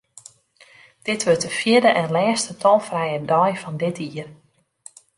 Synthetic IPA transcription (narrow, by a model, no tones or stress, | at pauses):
d̥ɪtʋøtəfjɪdəʔɛnlɛːstətʰɔlˠfrɛjədɔjfɔndɪtʰiər